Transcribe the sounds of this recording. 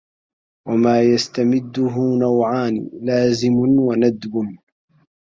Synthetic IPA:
wamaːjast̪amɪd̪ːʊɦʊnawʕaːnɪ̰laːzɪmʊnwanad̪bʊn

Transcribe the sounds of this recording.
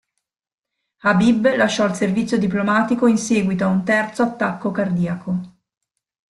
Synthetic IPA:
habiblaʃːɔilservit̪sjod̪iplomaːt̪ikoinseːɡwit̪oaunt̪ɛrt̪soat̪ːakːokard̪iːakʰo

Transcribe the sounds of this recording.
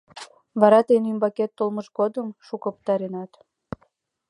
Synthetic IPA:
βɑɾɑt̪enymbɑket̪ːolməʃɡod̪əmʃukəpt̪ɑɾenɑt̪

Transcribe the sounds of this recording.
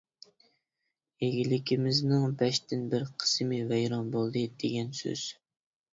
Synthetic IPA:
eɡʲilɪkʲʰimɪznɨŋbɛʃt̪ɪnbɪɾqʰə̥smɪvɛjɾɑnbolˠd̪ɨd̪eɡʲɛnsø̰z̥

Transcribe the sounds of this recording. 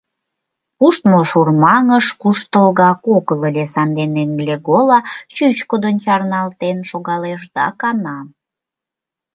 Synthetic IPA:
puʃt̪moʃurmɑŋəʃkuʃt̪əlɣɑkokləlʲesɑnd̪eneŋɡlʲeɡolɑt͡ɕyt͡ɕkod̪ənt͡ɕɑrnɑlt̪enʃoɣɑleʃd̪ɑkɑnɑm

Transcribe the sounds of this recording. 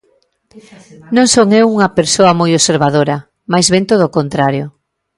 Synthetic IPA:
nõŋsoŋewuŋɐpeɾsoɐmojoseɾβaðoɾɐ | majzβent̪oð̞okont̪ɾaɾjo

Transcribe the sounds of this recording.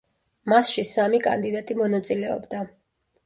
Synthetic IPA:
masʃisamikʼa̰nd̪id̪at̪ʼimɔnat̪sʼilɛɔ̰bd̪a

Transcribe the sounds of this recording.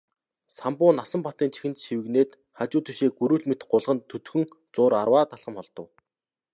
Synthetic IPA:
sampʊːnasə̆mpɔt̪iːnt͡ɕʰi̥xɘ̆nt̪ʃiwɘ̆ɣneːt̪ | χat͡ɕʊːt̪ʰuʃeːɡuɾuːɮmet̪̆ɢʊɮʁə̆nt̪ʰːɵt̪xɵ̆ŋ | t͡sʊːɾarwaːt̪aɮχə̆mχɔɮt̪ɞ̆w

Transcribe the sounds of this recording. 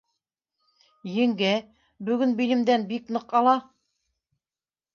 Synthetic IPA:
jɘ̆ŋɡæ | bɵ̆ɡɵnbilɘ̆md̪ænbiknɤqɑlˠɑ

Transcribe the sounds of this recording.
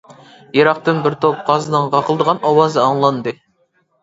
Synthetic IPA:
jɑɾɑq̚t̪ɨnbɪɾt̪ʰop̚qʰɑzɨnɨɴʁɑqʰəlˠd̪əʁɑnɑwɑzɨɑŋlˠɑnd̪ɨ

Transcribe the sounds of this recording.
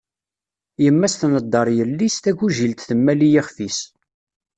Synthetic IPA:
jəmːæst̪nəd̪ˤːɑɾˤjəlːist̪æʝuʒilt̪θəmːælijiχfis

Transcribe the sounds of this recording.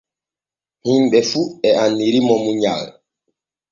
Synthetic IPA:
himɓɛfuɛanːiɾimɔmuɲa̰l

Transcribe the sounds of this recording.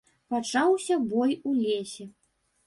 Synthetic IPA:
pat͡ʂawsʲɐbɔjulʲesʲɛ

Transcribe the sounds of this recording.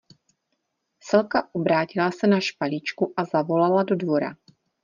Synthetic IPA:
sɛlkaʔobɾaːcɪlasɛnaʃpalit͡ʃkuʔazavo̞lalado̞dvo̞ɾa̰

